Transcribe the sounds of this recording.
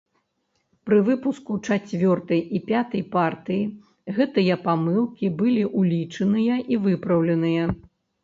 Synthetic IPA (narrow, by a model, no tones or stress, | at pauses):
pɾɨvɨpuskut͡ʂat͡sʲvʲɔrt̪ɐjʔipʲat̪ɐjpart̪ɨji | ɣɛt̪ɨjɐpamɨlˠkʲibɨlʲiʔulʲit͡ʂɨnɨjɐʔivɨpɾɐwlʲɛnɨjɐ